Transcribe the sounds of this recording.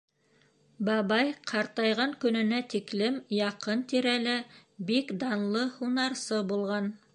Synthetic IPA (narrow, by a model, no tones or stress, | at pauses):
bɑβɑjqʰɑɾt̪ɑjʁɑŋkɵ̆nɵ̆næt̪iklɘmjɑqɤnt̪iɾælɘbikd̪ɑnlˠɤhunɑɾsɤbulˠʁɑn